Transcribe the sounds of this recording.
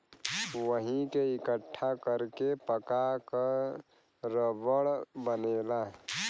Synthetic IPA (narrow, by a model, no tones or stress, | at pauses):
ʋəɦĩkeɪkəʈʰːakəɾkepəkakə | ɾəbəɭbənela